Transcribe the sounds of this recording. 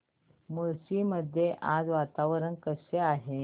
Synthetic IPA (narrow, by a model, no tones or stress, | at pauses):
muɭsiməd̪ʱːjeʔad͡zʋat̪aʋəɾənkəseaɦe